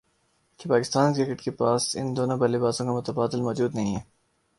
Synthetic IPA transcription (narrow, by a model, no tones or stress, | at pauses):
kepaːkɪst̪aːnkɾɪkɪʈkepaːsɪ̰nd̪oːnobɐlɪbaːsõkamʊt̪ɐbaːd̪ɪlmɔːd͡ʒuːd̪nɐɦĩɦɛː